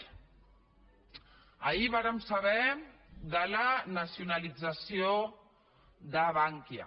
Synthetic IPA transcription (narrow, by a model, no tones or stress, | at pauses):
əiβaɾəmsəβɛd̪ələnəsiunəlid͡zəsio | ðəβaŋkjə̰